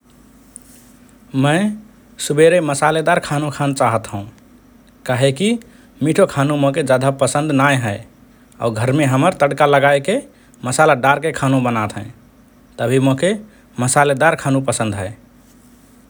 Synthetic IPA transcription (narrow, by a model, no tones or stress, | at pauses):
məɪ | subeɾeməsaled̪aɾkʰanukʰant͡ʃaɦət̪ɦəũ | kaɦeki | miʈʰokʰanũmõked͡ʒad̪ʱapəsə̃nd̪najɦəɪ | a̰uɡʱəɾmeɦəməɾt̪əɽkaləɡajke | məsalaɖaɾkekʰanũbənat̪ɦə̰̃ | t̪əbʱimoke | məsaled̪aɾkʰanũpəsə̃nd̪ɦəe